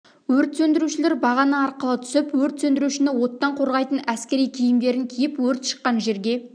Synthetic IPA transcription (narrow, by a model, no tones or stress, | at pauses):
wɵɾt̪sɵnd̪ɪɾuʃɪleɾbɑʁɑnəɑɾqəlˠət̪ʰʏ̥sɪpwɵɾt̪sɵnd̪ɪɾuʃɪnɪwo̞t̪ːɑɴqʰo̞ɾʁɑjt̪ənæskʲe̞ɾijkʲʰijɪmd̪e̞ɾɪŋkʲʰijɪpwɵɾt̪ʃə̥qːɑnʒe̞ɾɡʲe̞